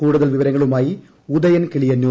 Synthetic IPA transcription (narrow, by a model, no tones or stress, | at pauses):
uːɽuðɐlʋɪʋɐɾɐŋːɐɭɯmaːji | uðɐjɐnkɪɭɪjɐno